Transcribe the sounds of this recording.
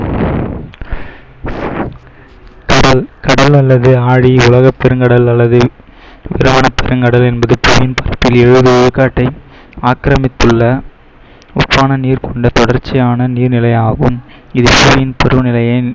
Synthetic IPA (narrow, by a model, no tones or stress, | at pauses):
kɐɽɐlkɐɽɐlɐlːɐðɯaːɻiʊlɐɣɐpːɛɾɯŋɡɐɽɐlɐlːɐðɯ | ʋɪ̰ɾɐmɐnɐpːɛɾɯŋɡɐɽɐlɛnbɐðɯpuːjɪnpɐɾɐpːɪlɛɻɯðɯʊɻɯkːaːʈːɐɪ | aːkɾɐmɪt̪ːɯɭːɐ | ʊ̰pːaːnɐniːɾkɔɳɖɐt̪ɔɽɐɾt͡ʃːɪjaːnɐniːɾnɪlɐɪjaːɣɯm | ɪðɯpuːjɪnpɛɾɯnɪlɐjɐɪ